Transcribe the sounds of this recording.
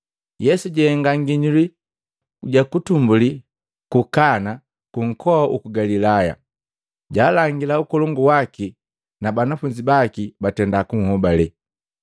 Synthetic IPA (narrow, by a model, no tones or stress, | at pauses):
jɛsuɟɛŋɡaŋɡiɲuli | uɟakutumbuli | kukana | kuŋ̩kɔaʔṵkuɡalilaja̰ | ɟaːlaŋɡilaukɔlɔŋɡuwaki | nabanafuɲd͡ʒibakibatɛndakuŋ̩hɔbalɛ